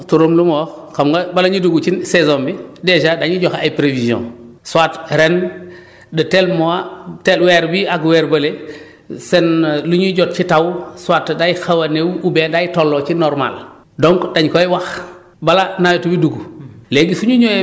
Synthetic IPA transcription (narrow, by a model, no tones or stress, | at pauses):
tuɾoːmlumoːf | kamɡabalaɲiduɡut͡ʃisezoːmbideʃadaɲiɟoxaipɾeviziõ̰ | suatɾen | dətelmoatelweɾbiaɡweɾbɐle | senluɲuɟot̚t͡ʃitawswatdajxawaneubeːndajitolːot͡ʃinoɾma̰l | doŋkdaɲkoiwax | balanajotubiduɡuleːɡisuɲuɲo